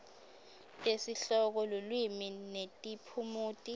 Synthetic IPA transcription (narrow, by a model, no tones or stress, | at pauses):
esiɬɔk̬ɔlulwiminetʼipʰumuːtʼi